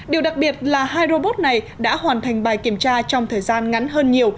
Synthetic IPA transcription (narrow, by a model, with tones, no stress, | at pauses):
ɗi˨˩əwɗa˨˩k̚ɓi˨˩ət̚laː˨˩haː˧jɾo˧ɓo˦˥t̚na˨˩j | ɗa̰ː˧˥hwaː˨˩nt̪ʰa˨˩jŋ̟ɓaː˨˩jki˧˩əmt͡ɕaː˧t͡ɕɔ˧wŋ͡mt̪ʰəː˨˩jzaː˧nŋa˨˦nɦəː˧nɲi˨˩əw